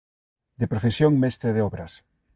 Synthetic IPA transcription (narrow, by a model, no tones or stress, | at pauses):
d̪epɾofesjoŋmɛst̪ɾeðeɔβɾɐs